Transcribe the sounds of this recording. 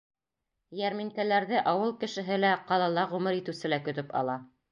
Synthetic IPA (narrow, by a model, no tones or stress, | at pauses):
jæɾmiŋkælæɾðɘʔɑwɤlˠkɘ̆ʃɘ̆ɦɘlæqɑlˠɑlˠɑʁʉmɘɾit̪ɘ̆wsɘlækɵ̆t̪ɵpɑ̰lˠɑ